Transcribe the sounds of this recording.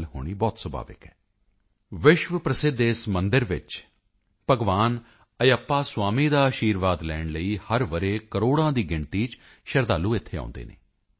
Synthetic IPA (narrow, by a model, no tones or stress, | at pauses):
lɦoːɽ̃iːbɔːt̪səba̰ːʋɪ̰kɦɛː | ʋɪʃʋəpɾəsɪd̪eːsmənd̪ɪɾʋɪ̰t͡ʃ | pəɡʋaːn | əjəpːaːswaːmiːd̪aːʃiːɾʋaːd̪lɛːɳləiːhəɾʋəɾeːkəɾoːɽãːd̪iːɡɪɳʈ̪iːt͡ʃ | ʃəɾd̪aːlũːɪt̪ʰːeːã̰ːnd̪ḛːnḛː